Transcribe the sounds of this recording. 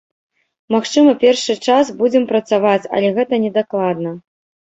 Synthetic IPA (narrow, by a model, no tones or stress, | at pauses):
maxt͡ʂɨmɐpʲɛrʂɨt͡ʂasbud͡zʲɛmpɾɐt̪savat͡sʲɐ̰lʲɛɣɛt̪ɐnʲɛd̪aklˠad̪̚nɐ